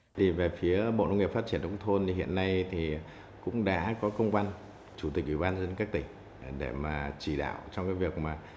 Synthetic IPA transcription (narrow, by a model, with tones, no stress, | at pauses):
i˨˩ve˨˩fi˨˦əɓo̰˧˨nə˧wŋ͡mŋi˨˩p̚faː˦˥t̚t͡ɕi˧˩ə˨nʔə̰˨˧˦wŋ͡mt̪ʰo˧n˨ɦḭ˧˨ənːa˧jt̪ʰi˨˩ | kʊ̰˧˥ŋ͡mɗa̰ː˧˥kɔ˨˦kə˧wŋ͡mkwa˧n | t͡ɕu˧˩t̪i˨˩k̚ʔwi˧˩ɓaː˧nzə˧˥nkaː˦˥k̚t̪ï˧˩ŋ̟ | ɗe˧˩maː˨˩t͡ɕi˧˩ɗa̰ː˧˨wt͡ɕɔ˧wŋ͡mkaː˨˦jvi˨˩ək̚maː˨˩